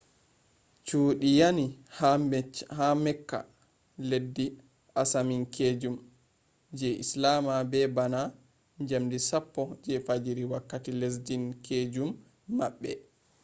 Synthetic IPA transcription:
t͡ʃuːɗijani | hamɛkːa̰ | ledːi | ʔasaminkʰed͡ʒum | d͡ʒɛʔislamabɛbana | ɲd͡ʒamdisapːɔd͡ʒɛfad͡ʒiɾiwakːatiles̬d͡ʒinkʰed͡ʒumː | aɓːɛ̰

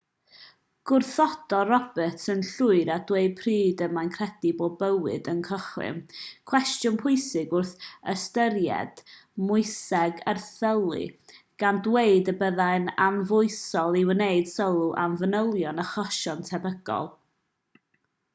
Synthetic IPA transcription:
ɡ̥ʊrθɔd̥ɔrɔbɨtʰənɬʊɨɾad̥weɨd̚pʰriːdəmajnkʰr̥ɛdiboːbəwɨdənkʰəχwɨ̰mkʰw̥ɛstjʊnpʰʊɨsɪɡʊrθəstəɾjɛ̰d̥mʊɨsɛɡərθəlˠɨ̰ | ɡ̥andweɨdəbəðajnamvʊɨsɔlˠiwəneɨd̥sɔlˠuʔa̰mvənəlˠjɔnəχɔʃɔntʰɛbəɡɔ̰lˠ

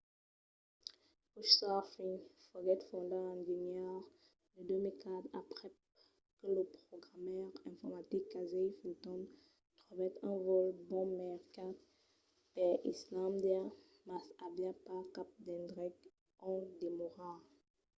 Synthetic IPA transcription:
puʃsafĩŋfəɡɛt̪fɔ̃d̪aɛ̃d͡ʒenjɛʁ | dəd̪ømikat̪apʁɛ | kələpχɔɡʁamœʁɛ̃fɔʁmat̪ikːazɛjfilt̪ɔ̃m | t̪χuvɛt̪ɛ̃vɔlbɔ̃mɛʁkat | pɛḭslãmd̪ɛ | masabjapakap̚d̪ɛ̃nd̪ʁɛk | ɔ̃d̪emoʁa

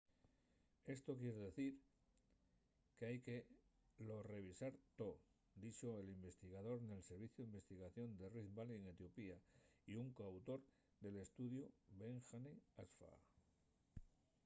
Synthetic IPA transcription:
e̞st̪o̞kje̞ɾeðe̞θiɾ | ke̞ajke̞ | lo̞re̞β̞isaɾt̪o̞ | d̪it͡ʃo̞elimbe̞st̪iɣað̞o̞ɾne̞lse̞ɾβiθjoimbe̞st̪iɣaθjo̞nd̪e̞risbalieŋe̞t̪jo̞piaiuŋkawt̪o̞ɾ | d̪e̞le̞st̪uðjoβe̞ŋxaneasfa̰

